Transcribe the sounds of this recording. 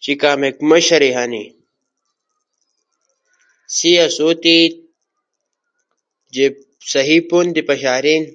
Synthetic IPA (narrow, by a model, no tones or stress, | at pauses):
t͡ʃikaːmekmɐɕɐɾiɦanḭ | siɐsoːt̪i | d͡ʒe | sɐɦipond̪ipɐɕaːɾin